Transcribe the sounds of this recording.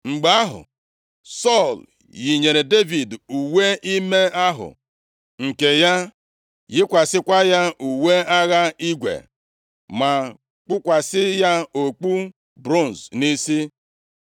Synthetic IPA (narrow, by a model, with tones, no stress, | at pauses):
ŋ͡m̩˨ɡ͡ba˨˦a˦ɦʊ̰˨ | sɔ˦˨l | ji˨ɲe˨ɾe˨de˦vi˨du˨we˦ʔi˦me˦a˦ɦʊ̰˨ | ŋ̩˨ke˨ja˦ | jɪ˦kʷa˨sɪ˦kʷa˦ja˦u˨we˦a˦ɣa˦i˦ɡʷḛ˨ | ma˨ | k͡pʊ˦kʷa˨sɪ˦ja˦o˨k͡pu˦ | bɾo˦˨n˨zni˦si˦